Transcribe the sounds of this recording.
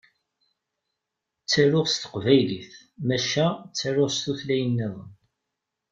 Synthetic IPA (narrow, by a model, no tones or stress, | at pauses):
t͡sːæɾʊʁst̪ə̥qvæjliθ | mæʃæt͡sːæɾʊʁst̪uθlæjənːæðˤn